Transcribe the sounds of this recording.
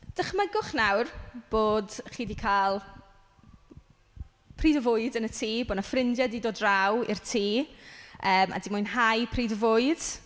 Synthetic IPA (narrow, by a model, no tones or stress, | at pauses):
d̥əχməɡʊχnawrb̥oːdχiːdikʰaːlˠ | pʰriːdəvʊɨdənətʰiːboːdnafrɪndjadidoːdrawḭrtʰiːʔəːmʔa̰dimʊɨnɦajpʰriːdəvʊɨd̥